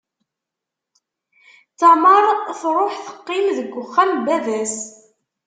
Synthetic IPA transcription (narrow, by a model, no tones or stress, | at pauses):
θaməɾˤθɾˤoħθə̥qːɪmðəɡʷːʊχːælbæðæs